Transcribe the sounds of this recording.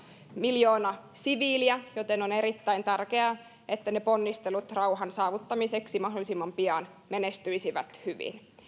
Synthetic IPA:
miljoːnɑ | siʋiːliæjot̪enoneɾit̪ːæint̪ærkeæː | et̪ːænepo̞nːist̪elut̪rɑuɦɑnsɑːʋut̪ːɑmiseksimɑɦdolːˑisimːɑmpiɑn | menest̪yisiʋæ̰t̪hyʋḭn

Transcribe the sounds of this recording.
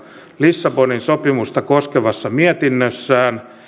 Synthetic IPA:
lisːɑboninsopimust̪ɑkoskeʋɑsːɑmiet̪inːøsːæːn

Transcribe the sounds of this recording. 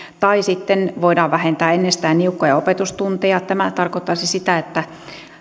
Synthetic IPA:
t̪ɑisit̪ːenʋoidɑːʋʋæhent̪æːenːest̪æːnniukːojɑopet̪ust̪unt̪ejɑt̪æmæt̪ɑrkot̪ːɑsisit̪æet̪ːæ

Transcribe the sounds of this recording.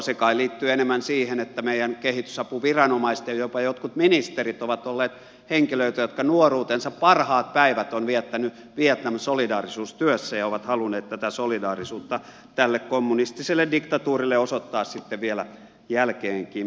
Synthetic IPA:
sekɑiliːt̪ːyenemːænsiːhenet̪ːæmeijænkehit̪y̥sɑpuʋirɑnomɑist̪jɑjopɑjot̪kut̪minist̪erit̪oʋɑt̪olːeːt̪ | heŋkiløit̪æjot̪kɑnuoruːt̪ensɑppɑrhɑːt̪̚pæiʋæt̪onʋiɛt̪ːæny | ʋiɛt̪nɑmsolidɑːrisuːst̪yøsːæjɑoʋɑt̪hɑlunˑeːt̪t̪æt̪æsolidɑːrisuːt̪ːɑ | t̪ælːekkomːunist̪iselːedikt̪ɑt̪uːrilːeosot̪ːɑːssit̪ːeʋʋielæ̰ | jælkeːŋkiːm

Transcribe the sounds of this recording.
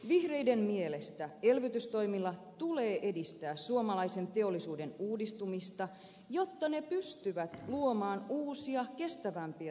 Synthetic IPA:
ʋihre̞jde̞nmielest̪æe̞lʋyt̪yst̪o̞jmilːɑt̪ule̞ːʔe̞dist̪æːssuomɑlɑise̞nt̪e̞olːisuːde̞nuːdist̪umist̪ɑ | jo̞t̪ːɑne̞pyst̪yʋæt̪luomɑːnuːsiɑke̞st̪æʋæmpiæ

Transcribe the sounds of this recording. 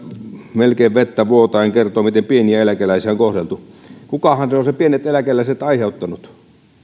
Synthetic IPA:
melkeːʋʋet̪ːæʋuot̪ɑiŋkert̪oːmit̪empieniæelækelæisiæoŋkohrelt̪ukukɑhɑnseosepienet̪elækelæiset̪ɑiheut̪ːɑnut̪

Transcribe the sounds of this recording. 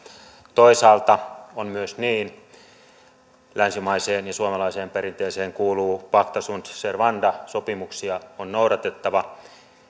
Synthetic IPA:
t̪oisɑːlt̪ɑonmyøsniːn | lænsimɑiseːnjɑsuɑmɑlɑiseːmpeɾint̪eːseːŋkuːluːpɑkt̪ɑsunt̪serʋɑndɑsopimuksiɑonnouɾɑt̪et̪ːɑʋɑ

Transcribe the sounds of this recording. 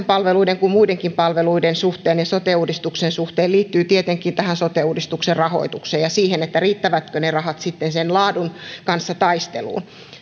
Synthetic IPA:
mpɑlʋeluideŋkummuideŋkimpɑlʋeluidensuht̪eːnjɑsot̪euːdist̪uksensuht̪eːliːt̪ːyːt̪iet̪eŋkˑint̪æhænsot̪euːdist̪ukserrɑho̰it̪ukseːjɑsiːhenet̪ːæriːt̪ːæʋæt̪kønerɑhɑt̪sit̪ːensenlɑːdunkɑnsːɑt̪ɑist̪elṵːn

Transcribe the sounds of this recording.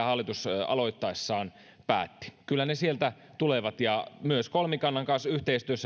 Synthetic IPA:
hɑlːˑit̪usɑ̰loit̪ːɑesːɑːn | pæ̰ːt̪ːi̥kylːænesielt̪æ | t̪uleʋɑt̪jɑmyøskolmikɑnːɑŋkɑnsyht̪eist̪yøsːæ

